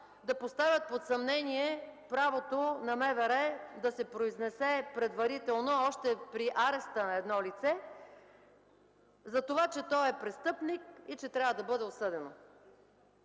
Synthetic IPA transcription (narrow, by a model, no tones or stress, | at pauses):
d̪ɐpost̪avʲjət̪̚pot̪sɐmnɛniɛpɾavot̪onɐmɛvɛɾɛd̪ɐsɛpɾoiznɛsɛpɾɛd̪vɐɾit̪ɛlˠnoɔʃt̪ɛpɾiʔaɾɛst̪ənɐɛd̪nɔlit̪sɛ | zɐt̪ovat͡ʃɛt̪ɔɛpɾɛst̪ɤpnikit͡ʃɛt̪ɾʲavəd̪ɐbɤd̪ɛosɤd̪ɛno